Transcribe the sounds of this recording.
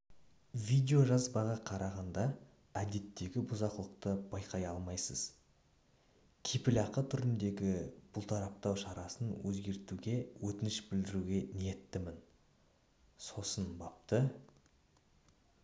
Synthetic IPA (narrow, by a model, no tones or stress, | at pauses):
vijd̪e̞o̞ʒɑzbɑʁɑqʰɑɾʔɑʁɑnd̪ɑ | æd̪e̞t̪ːe̞ɡʲɪbʊzɑqlˠəq̚t̪əb̥ɑjqʰɑjɑlˠmɑjsəz̥ | kʲʰepɪlɑqət̪ʰʏɾɪnd̪e̞ɡʲɪb̥ʊlˠt̪ʰɑɾɑp̚t̪ɑwʃɑɾɑsənwɵzɡʲe̞ɾt̪uɡʲe̞wɵt̪ɪnɪʃbɪld̪ɪɾuɡʲe̞nije̞t̪ːɪmɪn | so̞sənbɑp̚t̪ə